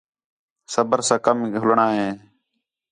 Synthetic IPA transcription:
səbəɾsãːkəmɦʊlɳaːɦẽː

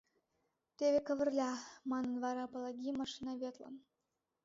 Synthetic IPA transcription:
t̪eβʲekə̆βə̆rlʲɑmɑnə̆nvɑɾɑpɤlˠɑɡʲimɑʃinɑβʲet̪lə̰n

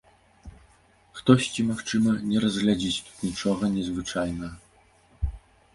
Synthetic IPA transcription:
xt̪ɔsʲt͡sʲimaxt͡ʂɨmɐnʲɛɾɐzɣlʲad͡zʲit͡sʲt̪u̥t̪nʲit͡ʂɔɣɐnʲɛzvɨt͡ʂajnɐ

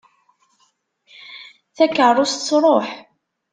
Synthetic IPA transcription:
θækːərˤːost̪t͡sːɾˤoħ

